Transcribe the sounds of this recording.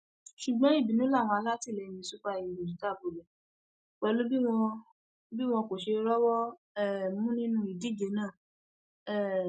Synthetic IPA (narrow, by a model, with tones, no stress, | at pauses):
ʃu˨ɡ͡bɔ̃˨˦i˦˨bi˨nũ˨˦la˦˨w̃ɔ̃˧a˧la˦ti˦˨lɛ˨mĩ˧˦su˦k͡pa˧i˨õ˨d͡ʒu˨˦ta˦˨bo˨lɛ˨ | k͡pɛ˧lu˦bi˦w̃ɔ̃˧ | bi˦w̃ɔ̃˧ko˨ʃe˧ɾɔ˦wɔ˦ | ɛ˦˨mũ˦nĩ˦nũ˦i˨di˦˨d͡ʒe˨˧nãː˦˨ | ɛ˦˨